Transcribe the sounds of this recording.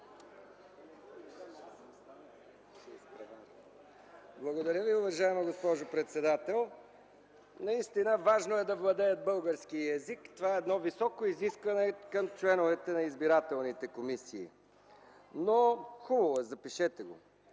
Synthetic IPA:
sp | blˠɐɡod̪ɐɾʲəviʊvɐʒaɛmɐɡospɔʒopɾɛt̪sɛd̪at̪ɛlˠ | nɐist̪inəvaʒnoɛd̪ɐvlˠɐd̪ɛət̪̚bɤlˠɡəɾskiəɛzikt̪ovaɛːd̪nɔvisɔkoiziskvɐnɛkəmt͡ʃlɛnovɛt̪ɛnɐizbiɾat̪ɛlˠnit̪ɛkomisiː | noxubɐvɛzɐpiʃɛt̪ɛɡo̰

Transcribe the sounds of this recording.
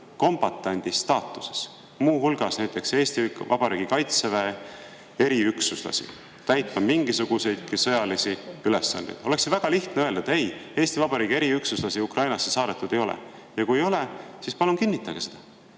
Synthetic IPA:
ko̞mbɑt̪ːˑɑnʲd̪̥ist̪ɑːt̪ːˑu̥se̥s | muːɦulɡ̥ɑsnæjt̪ːˑe̞kseːst̪ikvɑb̥ɑɾiːɡ̥ikɑjt̪seve | e̞ɾiyksuslɑ̰sḭ | t̪æjt̪ːɑmiŋɡ̥isuɡ̥use̞jd̪kisɤ̞jɑlisiyle̞sːɑ̰nd̪ḛjd̪̥o̞le̞ksevæɡ̥ɑliht̪neø̞ld̪ɑet̪e̞je̞ːst̪ivɑbɑɾiːɡ̥ie̞ɾiyksuslɑsiukrɑjnɑsːesɑːd̪et̪ːˑud̪̥e̞jo̞lḛ | jɑkujejo̞lesispɑlunkinːit̪ːˑɑɡ̥ese̞d̪̥ɑ

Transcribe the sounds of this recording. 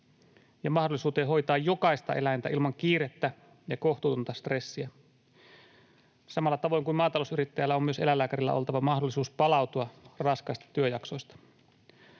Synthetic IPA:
jɑmɑhdolisuːt̪eːɦo̞jt̪ɑːjjo̞kɑist̪ɑ̰ʔe̞lænt̪æ̰ʔilmɑŋk̟iːɾet̪ːæ | jɑko̞ht̪ut̪unt̪ɑst̪re̞sːiæ | sɑmɑlːɑt̪ɑʋo̞jŋkumɑːt̪ɑlousyɾit̪ːæjælːæommyøse̞lælːæːkæɾilːæ̰ʔolt̪ɑʋɑmɑhdolːˑisuːspɑlɑwt̪uɑrɑskɑjst̪ɑ̥t̪yøjɑksojst̪ɑ̥

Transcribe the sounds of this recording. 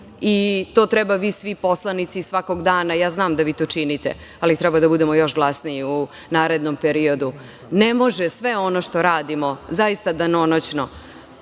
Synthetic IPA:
it̪o̞ːt̪ɾɛbaʋisʋipo̞slˠanit̪sisʋako̞ɡd̪aːnajaːznaːmd̪aʋit̪oːt͡ʃinit̪ḛ | alit̪ɾɛbad̪abud̪emo̞jo̞ʃɡlˠasniiu | naːɾe̞d̪nompeɾio̞d̪u | nemo̞ʒɛsʋeo̞noʃt̪o̞ɾaːd̪imo̞zaist̪ad̪ano̞not͡ɕno̰

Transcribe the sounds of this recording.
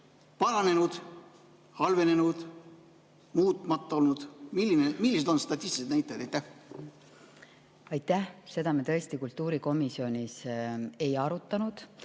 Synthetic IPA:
pɑɾɑne̞nud̪̥ | hɑlve̞ne̞nud̪̥ | muːt̪ːˑmɑt̪ːˑɑolnud̪̥milːinemilːised̪onst̪ɑt̪ʲːist̪iset̪næjt̪ːˑɑjd̪æjt̪ːæh | ɑjt̪ːˑæhse̞d̪̥ɑmet̪ɤ̞est̪ikult̪ːˑuːɾiko̞misio̞nʲise̞jɑɾut̪ˑːɑnud̪̥

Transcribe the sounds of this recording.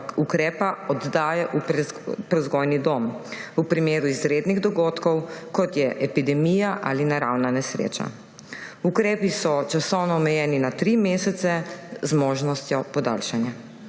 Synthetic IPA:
ukɾɛːpaɔd̪d̪aːjaʔupɾɛzɡojnid̪oːmupɾimeːɾuizɾeːd̪niɣd̪ɔɡoːt̪kɔwkɔt̪jɛʔɛpid̪ɛmijaʔa̰linaɾa̰wnanɛsɾḛːt͡ʃa̰ | ukɾɛːpisɔt͡ʃasɔwnɔːmɛjɛːninat̪ɾimeːsɛt̪sɛzmoːʒnɔst̪jɔpɔd̪a̰lʃanja

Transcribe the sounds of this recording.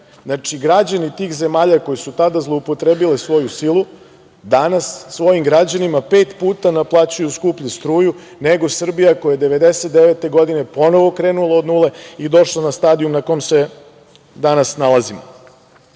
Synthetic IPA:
znat͡ʂiɡɾad͡ʑanit̪iːxze̞maːʎako̞jesut̪ad̪azlˠo̞upot̪ɾeːbilesʋo̞jusilˠu | d̪anasːʋo̞jimɡɾad͡ʑanimapeːt̪puːt̪anaplˠaːt͡ɕujuskupʎust̪ɾuːju | neɡo̞sr̩bijakojajed̪e̞ʋe̞d̪eset̪̚d̪eʋet̪e̞ɡo̞d̪ine̞po̞no̞ʋo̞kɾeːnulˠaod̪nuːle̞id̪o̞ʃlanast̪aːd̪iumnakomse̞ | d̪anasnalˠazimo̰

